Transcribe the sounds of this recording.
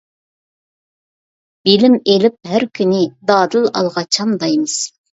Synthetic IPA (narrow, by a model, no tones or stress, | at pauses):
b̥ɪlɪmelɪp̚ɦæɾkʲʰynɪd̪ɑːd̪ɨlˠɑlˠʁɑt͡ʃʰɑmd̪ɑjmɨs